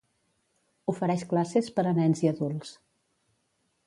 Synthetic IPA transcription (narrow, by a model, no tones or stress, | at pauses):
ufəɾɛʃklasespəɾənɛnziəðulˠs